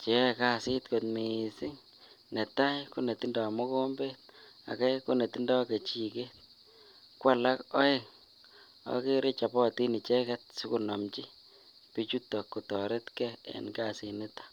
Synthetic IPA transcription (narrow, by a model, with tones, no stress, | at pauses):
t͡ʃɛ˨ka˦si˦tko˨tmi˨si˦ŋ | nɛ˨ta˦jku˦ne˨ti˦ndɔ˨mɔ˦ko˦mbe˦t̚ | a̰˨ka˦ku˦ne˨ti˦ndɔ˦ke˨t͡ʃi˨ke˦t̚ | kwa˦la˦kɔ˦e˦ŋ | ɔ̰˦ki˦ɾɪ˦t͡ʃa˨pɔ˦ti˦ni˨t͡ʃɛ˦kɛt̚su˦ku˨nɔ˨mt͡ʃi˦ | pi˦t͡ʃu˦tːɔ˨kːu˨tɔ˨ɾe˦tkɛḛ˨nɡasi˨ni˦tḁ